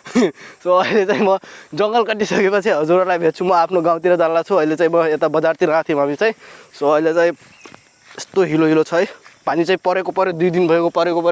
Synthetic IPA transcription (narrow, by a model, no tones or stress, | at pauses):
soːilet͡saĩmʌd͡zʌŋɡʌlkʌʈːisʌkepʌt͡sʰiɦʌd͡zuɾʌlajbʱet̪̚t͡sʰumʌapʰnoɡãw̃t̪iɾʌd͡zallat͡sʰuʌilet͡saĩmʌet̪abʌd͡zart̪ʰiɾãt̪ʰĩɦamit͡saĩsoʌilet͡saĩ | est̪oɦiloɦilot͡sʰʌjpanit͡saĩpʌɾekopʌɾjod̪ujd̪inbʱʌekopʌɾekopʌɾo